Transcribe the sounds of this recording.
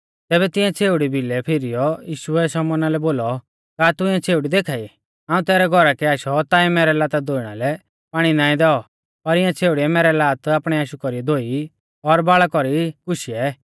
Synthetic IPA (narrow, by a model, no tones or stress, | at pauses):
t̪ɛːbɛt̪ɪ̃ãt͡sʰeːuɽibʱilɛpʰɪɾijɔjiːʃuɛsɔmɔnalɛboːlɔ | kaːt̪ʊɪ̃jɛ̃t͡sʰeːuɽid̪ekʰaːi | aːũt̪ɛːɾɛɡʱɔɾakɛaːʃɔt̪aːimɛːɾɛlaːt̪ad̪oːiɽ̃alɛ | paːɽ̃inaːĩd̪ɛɔ | pɐɾɪãt͡sʰeːuɽiɛmɛːɾɛlaːt̪aːpɽ̃ɛaːʃukɔɾiɛd̪oːi | ɔɾbaːɭakɔɾikʊʃiɛ